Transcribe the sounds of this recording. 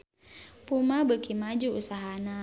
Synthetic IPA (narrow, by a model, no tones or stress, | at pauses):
pumabəkimad͡ʒuusaɦana